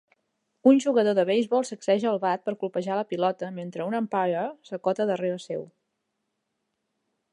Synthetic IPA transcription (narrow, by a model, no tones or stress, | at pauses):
unʒuɣəðoðəβejzβɔlˠsəksɛʒəːlˠβat̪̚pəɾkulˠpəʒaləpilɔt̪əment̪ɾəunəmpaɾəsəkɔt̪əðəreɾəsɛw